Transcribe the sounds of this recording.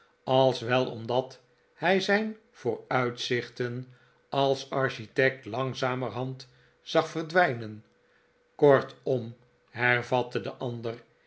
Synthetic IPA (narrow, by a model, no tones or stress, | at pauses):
ɑlˠsʋɛlˠɔ̰mdɑt | hɛjzɛjn | v̥ʊːɹœɥtsɪχtən | ɑlˠsɑɹʃitɛk̚tlɑŋzaːmərɦɑnt | z̥ɑχfərdʋɛjnən | kɔɹtɔm | hɛɹvɑtədə̰ʔɑnd̪ər